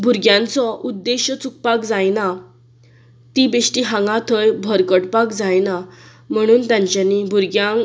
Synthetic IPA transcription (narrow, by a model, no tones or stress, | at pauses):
bʱuɾɡjãnt͡sɔʔud̪ːeɕjt͡suk̚pakd͡zajna | t̪ibeʂʈiɦãŋɡat̪ʰəjbʱəɾkəɽpakd͡zajna | m̤əɽ̃uːnt̪jãɲt͡ɕjanːibʱuɾɡjãŋ